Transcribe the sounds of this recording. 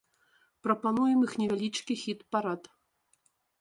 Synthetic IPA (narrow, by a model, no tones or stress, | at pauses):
pɾɐpanujɛmixnʲɛvʲalʲit͡ʂkʲixʲit̪paɾat̪